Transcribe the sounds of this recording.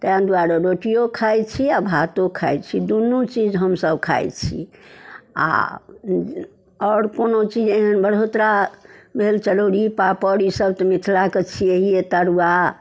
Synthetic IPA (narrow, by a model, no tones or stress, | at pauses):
t̪əɦãnd̪uaɾəɾoʈijokʰajt͡ʃʰiabʱat̪okʰajt͡ʃʰid̪unːut͡ʃid͡ʒɦəmsəbkʰa̰jt͡ʃʰḭ | a̰ | ɔːɾkonot͡ʃid͡ʒeɦənbəɽ̤ot̪ɾabʱelt͡ʃəɽoɽipapəɽisəbt̪ɔmit̪ʰlaket͡ʃʰieɦijet̪əɾuwa